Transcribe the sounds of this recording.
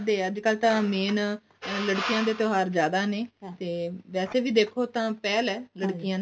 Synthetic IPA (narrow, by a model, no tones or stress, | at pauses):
d̪eːəd͡ʒkəlt̪ãːmeːn | ləɽkijãːd̪eːt̪oːɦaːɾd͡ʒjaːd̪aːneːt̪eːʋɛːseːʋiːd̪eːkʰoːt̪ãːpɛːlɛːləɽkɪjãː